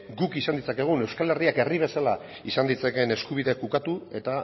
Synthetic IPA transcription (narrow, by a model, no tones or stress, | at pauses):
ɡukisand̪it͡sake̞ɣ̞une̞wskale̞riake̞riβ̞e̞sala | isand̪it͡sake̞ne̞skuβ̞iðe̞kukat̪ue̞t̪a